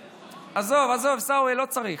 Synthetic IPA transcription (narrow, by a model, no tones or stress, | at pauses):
azovazovsawelot͡saʁi